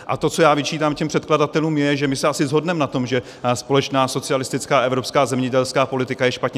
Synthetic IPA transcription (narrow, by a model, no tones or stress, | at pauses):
ʔa̰t̪o̞t͡so̞jaːvɪt͡ʃiːt̪aːmcɛmpr̥ɛt̪̚kladat̪ɛluːmjɛʒɛmɪsɛʔasɪzɦo̞dnɛmnat̪o̞mʒɛ | spo̞lɛt͡ʃnaːso̞t͡sɪalɪst̪ɪt͡skaːʔɛvɾo̞pskaːzɛmɲɛɟɛlskaːpo̞lɪt̪ɪkajɛʃpat̪ɲɛ